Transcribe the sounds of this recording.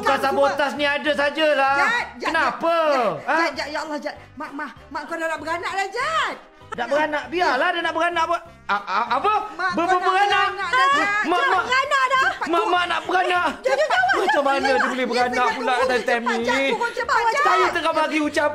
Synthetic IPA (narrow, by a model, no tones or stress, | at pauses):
əkasabot̪asniadas̬ad͡ʒalahənapəad͡ʒajalːahd͡ʒat̪̚ | maʔma | maʔkadanaʔbəɡanaʔlad͡ʒat̪̚ | naʔbəɡanaʔbialadanaʔbəɾanaʔb | apəbəbəbəɡanaʔ | mamanamamaʔnaʔbəɡanaʔmət͡ʃamanadibəlɪhbəɾanaʔpulaʔkat̪ait̪ɛmni | sajat̪əɡabaɡiut͡ʃap̚